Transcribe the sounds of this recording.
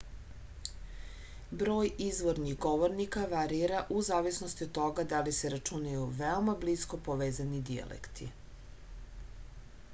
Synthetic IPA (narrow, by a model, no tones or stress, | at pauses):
bɾo̞ːjizʋoɾniɣɡoʋoɾnikaʋaɾiɾaʔuzaːʋisnost̪iot̪ːo̞ɡad̪aliseɾat͡ʃunajuʋeo̞mablisko̞poʋeːzanid̪ia̰lʔḛkt̪ʰḭ